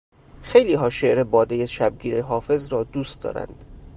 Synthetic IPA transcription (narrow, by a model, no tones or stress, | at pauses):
xe̞jliːɦɒːʃe̞ʔɾebɒːd̪ejeʃæb̚ɡiːɾeɦɒːfe̞zɾɒːd̪uːst̪d̪ɒ̰ːɾæ̰nd̪̥